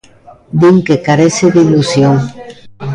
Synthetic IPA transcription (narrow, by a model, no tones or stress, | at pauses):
d̪iŋkekaɾeseðilusjoŋ